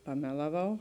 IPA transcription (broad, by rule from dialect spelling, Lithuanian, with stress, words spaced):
pɐˈmʲæːlˠɐˌʋɐʊ